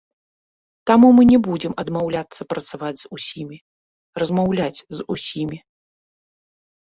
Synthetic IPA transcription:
t̪amumɨnʲɛbud͡zʲɛmɐd̪mawlʲat̪sːɐpɾɐt̪savad͡zʲzusʲimʲi | rɐzmawlʲat͡sʲzusʲimʲi

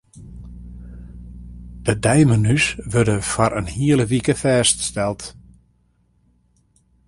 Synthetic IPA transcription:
d̥ədɛjmənysʋørdəfɔɾʔənhiələʋikəfɛːststɛlˠt

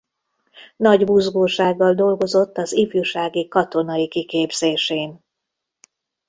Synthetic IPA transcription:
nɒɟbuzɡoːʃaːɡːɒld̪o̞lɡo̞zo̞t̪ːɒzifjuʃaːɡikɒt̪o̞nɒikikeːbz̥eːʃeːn

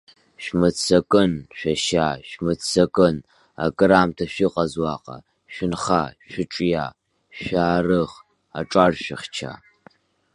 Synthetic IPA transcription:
ʃmɨt͡sʰɐkʼɨnɕʷᶣɐʃaːʃmɨt͡sʰɐkʼɨn | a̰kʼɾaːmtʰɐɕʷiqʼɐzwɑːqʼɐ̰ | ʃʷɪnχa̰ːʃʷɪʈ͡ʂʼjaː | ʃʷaːrɨʁ | aʈ͡ʂʼarʃʷɪχt͡ʃʰa̰ː

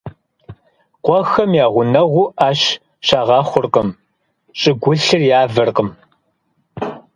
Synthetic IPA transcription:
qʷɔxɐmjaːʁʷʊnɐʁʷʊʔaːɕ | ʃaːʁɑːχʷʊrqəm | ɕʼɪɡʷʊɬɨrjaːvɨrqəm

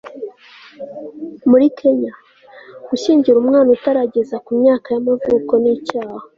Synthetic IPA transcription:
muɾikʰe̞ɲa | ɡ̥uʃiːɲɟiɾumŋaːnutaɾaɟe̞zakumɲaːkajamavuːko̞nicaːha

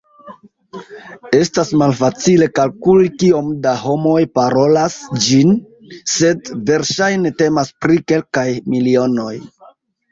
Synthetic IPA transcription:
e̞stasmalfat͡sile̞kalkulkio̞mdaɦo̞mo̞jpaɾo̞lasd͡ʒin | se̞dve̞ɾʃajne̞te̞maspɾike̞lkajmilio̞no̞j

